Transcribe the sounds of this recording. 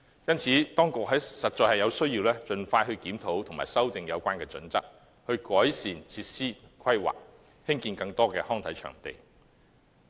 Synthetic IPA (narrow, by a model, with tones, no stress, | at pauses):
jɐ˥nt͡sʰiː˨˥t̪ɔː˥ŋkʊ˨k̚ɦɐ˨˥jsɐ˨t̚t͡ʃɔː˨jhɐ˨˩jɐ˨˧wsɵ˥ɥjiː˧wlɛː˥t͡ʃɵ˨nfaː˧jɦɵ˧ɥkiː˨˥mt̪ʰo˨˥wt̪ʰʊ˨˩ŋma̰ː˨˩jsɐ˥wt̪ɪ˧ŋjɐ˨˧wkʷaː˥nkɛː˧t͡sɵ̰˨˥nt͡sɐ˥k̚ | hɵ˧ɥkɔː˨˥jsiː˨˩nt͡sʰiː˧t̚siː˥kʰɐ˥jwa̰ː˨˩k̚ | hɪ˥ŋkiː˧nkɐ˧ŋt̪ɔː˥kɛː˧hɔː˥ŋt̪ʰɐ˨˥jt͡ʃʰœ̰˨˩ŋt̪ḛ˨˩j